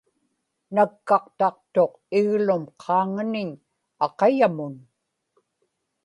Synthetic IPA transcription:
nakːɑqt̪ɑq̚t̪o̞q | ɪɣlʊmqʰɑːŋanɪɲ | ɑqɑjamʊn

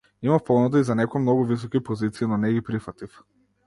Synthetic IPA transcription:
imafpɔnɔd̪aizanɛkɔamnɔɡuvis̬ɔkipɔzit̪siinɔnɛɡipɾifat̪if

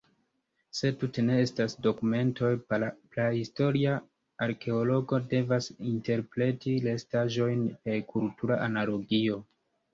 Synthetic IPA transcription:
se̞tute̞ne̞estasdo̞kume̞nto̞jplahisto̞ɾia | aɾkʰe̞olo̞ɡo̞de̞vasinte̞ɾpɾe̞tile̞staʒo̞jnekʰultʰuɾaʔanalo̞ɡio̞

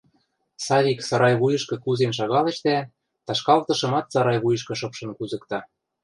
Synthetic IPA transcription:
sɑβʲiksɑɾɑjβujɤ̆ʃkɤ̆kuzenʃ̬ɑɣɑlĕʃt̪æ | t̪ɑʃkɑlt̪ɤ̆ʃɤ̆mɑt̪sɑɾɑjβujɤ̆ʃ̬kɤ̆ʃɤ̆pʃɤ̆nkuzɤ̆kt̪ɑ

